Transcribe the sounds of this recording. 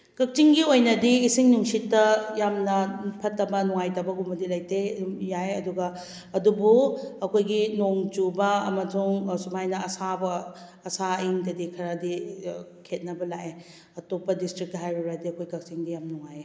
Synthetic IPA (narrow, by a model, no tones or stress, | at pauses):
kɐk̚t͡ʃiŋɡiojnɐdiːsiŋnuŋsitːɐjamnɐpʰɐtːɐbɐnuŋajtɐbɐɡumɐdilɐjtejajɐduɡɐː | dubuɐkʰojɡinoŋd͡ʒubɐɐmɐd͡ʒuŋsumajnɐɐsabɐː | saiŋdɐdikʰɐɾadikʰet̚nɐbɐlaʔe | ɐtopːɐdistɾik̚ɦajɾuɾadiɐkʰojkɐk̚t͡ʃiŋdijamnuŋaje